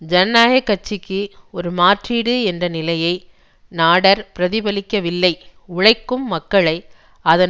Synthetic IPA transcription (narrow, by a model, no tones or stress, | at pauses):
d͡ʒɐnːaːjɐkːɐt͡ʃːɪkːɯɔɾɯmaːʈriːɽɯɛndrɐnɪlɐjɐɪ | naːɽɐɾpɪɾɐðɪbɐlɪkːɐʋɪlːɐɪʊɻɐɪkːɯmːɐkːɐɭɐɪ | ɐðɐ